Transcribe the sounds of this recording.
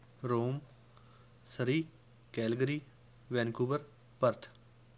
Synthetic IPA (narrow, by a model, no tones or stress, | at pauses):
ɾoːm | səɾiː | kɛːlɡəɾiː | ʋɛːnkuːbəɾ | pəɾt̪ʰ